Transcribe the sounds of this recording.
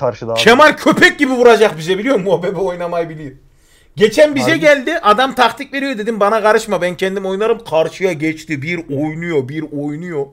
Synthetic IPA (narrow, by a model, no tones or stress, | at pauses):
ɾʃʲʰemaɾcʰø̞pʰɛc̚ɟibivuɾad͡ʒaχbizɛbilʲijo̞mːuabɛbiojnamajbilʲij | ɟet͡ʃʰɛnbizɛɟʲɛlʲd̪iʔad̪amt̪ʰaχt̪ʰikve̞ɾijo̞d̪e̞d̪imbanaɡaɾɯʃmabɛncʰɛnd̪imo̞jnaɾɯmqʰaɾʃɯjaɟɛt͡ʃt̪ibiɾojnujobiɾojnujo